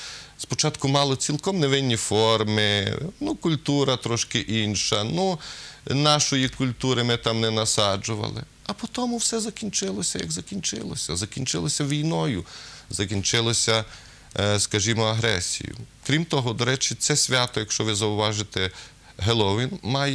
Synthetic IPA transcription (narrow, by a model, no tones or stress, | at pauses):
spɔt͡ʃɑt̪kʊmɑlˠɔt͡sʲilˠkɔmneʋɪnʲːifɔrmɪnukʊlʲt̪uɾɐt̪ɾɔʃkɪʔinʲʃɐnu | nɑʃɔjikʊlʲt̪uɾɪmɪt̪ɑmnɛnɐsɑd͡ʒʊʋɐ̰lˠɪ̰ | ɐpɔt̪ɔmʊwsɛzɐkʲinʲt͡ʃɪlˠɔsʲɐjɐ̰ɡzɐkʲinʲt͡ʃɪ̰lˠɔsʲɐzɐkʲinʲt͡ʃɪlˠɔsʲɐʋʲijnɔjʊzɐkʲinʲt͡ʃɪlˠɔsʲɐ | skɐʒimɔɐɦɾɛsʲḭjʊ̰kɾʲimt̪ɔɦɔd̪ɔɾɛt͡ʃɪt̪sɛsʲʋʲɑt̪ɔjɐkʃt͡ʃɔʋɪzɐʊʋɑʒɪt̪ɛ | ɦelˠɔʋinmɑj